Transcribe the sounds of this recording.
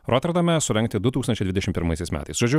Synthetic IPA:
ɾɔt̪ʲɛɾd̪ɐmʲɛsʊɾʲɛŋkt̪ʲɪd̪ʊt̪uːksɐnt͡ʃɛɪd̪ʲɪd̪ʲɛʃʲɪmt̪pʲɪɾmɐɪsʲɛɪsmʲæ̰t̪ɐɪsʒoːd͡ʒʲʊ

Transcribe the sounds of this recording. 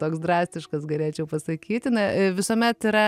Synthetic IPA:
t̪oːksd̪ɾɑːsʲt̪ʲɪʃkɐsɡɐlʲeːt͡ʃʲɛʊpɐsɐkʲiːt̪ʲɪnɐʋʲɪsoːmʲɛt̪ɪɾɐ

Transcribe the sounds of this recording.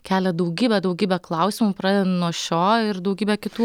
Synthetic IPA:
kʲæːlʲɛd̪ɐʊɡʲiːbʲɛd̪ɐʊɡʲiːbʲɛklˠɐʊsʲɪmupɾɑːdʲɛd̪ʲɛnnuɔʃʲoːɪɾd̪ɐʊɡʲiːbʲɛkʲɪt̪uː

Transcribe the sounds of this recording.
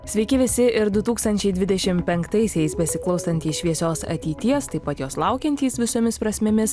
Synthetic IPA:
sʲʋʲɛɪkʲɪʋʲɪsʲɪʔɪɾd̪ʊt̪uːkst̪ɐnʲt͡ʃʲɛɪd̪ʲʋʲɪd̪ʲɛʃʲɪmpʲɛŋkt̪ɐɪsʲɛɪsbʲɛsʲɪklˠɐʊsɐnʲt̪ʲiːsʃʲʋʲiɛsʲoːsɐ̰t̪ʲɛɪt̪ʲiɛst̪ɐɪpɐt̪joːslˠɑʊkʲɛnʲt̪ʲiːsʋʲɪsoːmʲɪspɾɐsʲmʲɪmʲɪs

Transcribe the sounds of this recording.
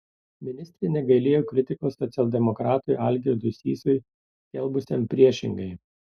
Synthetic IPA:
mʲɪnʲɪst̪ʲɾʲɪnʲɛɡɐlʲeːjoːkɾʲɪt̪ʲɪkoːsːɔt̪sʲɛlʲˠd̪ʲɛmɔkɾɑːt̪ʊɪʔɐlʲɡʲɛd̪ʊsʲḭːsʊj | sʲkʲɛlˠbʊsʲɛmpʲɾʲiɛʃʲɪ̰ŋɡɐɪ

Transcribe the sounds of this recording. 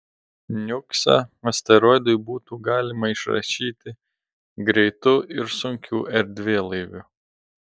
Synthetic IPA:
nʲʊksɑ̰ːɐsʲt̪ɐɾoːjd̪ʊjbuːt̪uːɡɑːlʲɪmɐɪʃɾɐ̰ʃʲiːt̪ʲɪ | ɡɾʲɛɪt̪ʊɪɾsʊŋʲkʲuːʔɛɾʲd̪ʲʋʲeːlˠɐɪʋʲʊ

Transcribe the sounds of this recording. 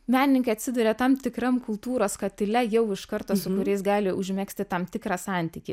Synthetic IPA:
mʲæːnʲɪnʲɪŋkɐɪɐt̪ʲsʲɪd̪ʊɾʲeːt̪ɐmt̪ʲɪkɾɐmkʊlˠt̪uːɾoːskɐt̪ʲɪlʲɛjɛʊɪʃkɐɾt̪oːsʊkʊɾʲɛɪsɡɑːlʲɪʔʊʒʲmʲæksʲt̪ʲɪt̪ɐmt̪ʲɪkɾɑsɑˑnʲt̪ʲiːkʲɪ

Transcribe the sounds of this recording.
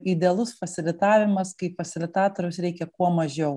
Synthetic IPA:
ɪd̪ʲeɛlˠʊsfɐsʲɪlʲɪt̪ɑːʋʲɪmɐskɐɪfɐsʲɪlʲɪt̪ɑːt̪ɔɾʲʊsɾʲɛɪkʲɛkuɔmɐʒʲɛʊ

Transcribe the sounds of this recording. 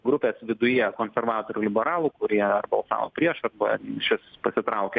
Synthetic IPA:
ɡɾʊpʲeːsʋʲɪd̪ʊjiɛkoːnʲsʲɛɾʋɑːt̪oːɾʲuːlʲɪbʲɛɾɑːlˠuːkʊɾʲiɛɐrbɐlˠsɑ̰ːʋo̰ːpʲɾʲiɛʃɐrbɐʃʲɪspɐsʲɪt̪ɾɐʊkʲɛ

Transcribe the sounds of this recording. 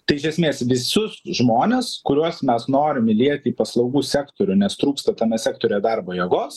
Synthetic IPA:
t̪ɐɪɪʃʲɛsʲmʲeːsʋʲɪsʊsʒmoːnʲeskʊɾʲuɔsmʲɛsnoːɾʲɪmɪlʲiɛt̪ʲɪiːpɐslˠɐʊɡuːsʲæːkt̪oːɾʲʊnʲɛst̪ɾuːkst̪ɐt̪ɐmʲɛsʲæːkt̪oːɾʲoːjɛd̪ɐrboːjɛɡoːs

